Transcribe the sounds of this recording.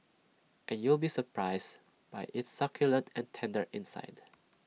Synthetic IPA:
ʔɛ̃njulbisəpʰɹaɪs | b̥ajʔɪtsʌkʰjʊlə̃ntʰɛ̃ntʰɛ̃ndə˞ʔɪ̃nsa̰ɪd

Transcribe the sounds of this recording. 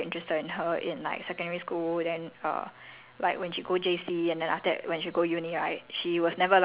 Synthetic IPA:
ɪ̃ntɹ̥ɛstədɪ̃nɦəʔɪ̰̃nla̰ɪksɛkə̃ndɛɹiskuldɛ̃nʌ̰ | laɪkwɛ̃nʃiɡod͡ʒesiɛ̃ndɛ̃nʔaftəwɛ̃nʃiɡojuniɹaɪt̚ʃiwɔsnɛvəl

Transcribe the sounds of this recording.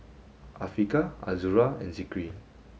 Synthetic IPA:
ʔafɹikaa̰zuɹaɛ̰̃nsikɹi

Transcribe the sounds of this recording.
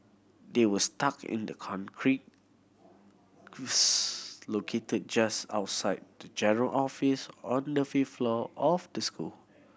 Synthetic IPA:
dewəstakɪ̰̃ndəkʰɔ̃nkʰɹit̚ | slokʰetəd̚d͡ʒasa̰ʊtsaɪd̚dəd͡ʒɛnəɹəlʔɔfisɔ̃ndəfiflɔɔfdəskʰṵl

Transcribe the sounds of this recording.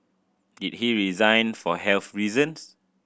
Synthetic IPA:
dit̚hiɹizãj̃nfɔhɛlθɹizə̃ns

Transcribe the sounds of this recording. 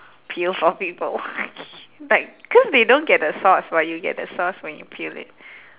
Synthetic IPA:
pʰilfɔpipəl | laɪk̚kʰɔsdedõnɡɛt̚dəsɔswajuɡɛ̰t̚dəsɔswɛ̃njṵpʰilɪ̰t̚

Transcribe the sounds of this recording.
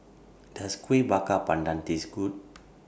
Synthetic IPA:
d̥askuebakapandant̪isɡut̪̚

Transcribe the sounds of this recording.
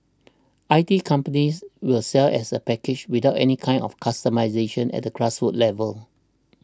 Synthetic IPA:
ʔaɪtikʰãmpəniswilsɛlɛsəpɛkɪd͡ʒwidaʊtɛ̰nikʰãɪ̃nɔ̰fkʰastəmaɪzeʃə̃nɛ̰t̚dəkɹasfutlɛvəl

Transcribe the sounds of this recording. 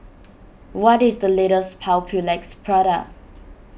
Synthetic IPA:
wɔtɪsdəleɾəspʰaʊpʰulɛk̚spʰɹɔɾak̚

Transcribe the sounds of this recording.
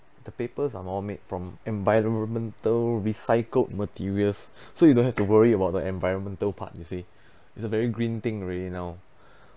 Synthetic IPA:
dəpepəsamɔlmet̚fɹɔ̃mɛ̃ɱvajɹɔ̃ɔ̃nmɛ̃ntəlɹisaɪkəlt̚mətʰiɹiəlssojudõnhɛftuwəɹiəbaʊt̚dəɛ̃nvajɹɔ̃nmɛ̃ntəlpʰa̰t̚jusi | itsəvɛɹiɡɹĩnt̪ɪ̃ŋɹelinaw

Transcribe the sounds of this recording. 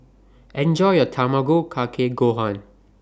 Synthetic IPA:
ɛ̃nd͡ʒɔɪətʰamaɡoːkʰakʰeɡoːɦãn

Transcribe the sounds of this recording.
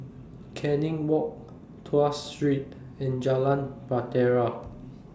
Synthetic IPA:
kʰɛ̃nĩŋwɔk̚ | tʰuastɹit̚ | ɛ̃nd͡ʒalãnpɹatɛɹa

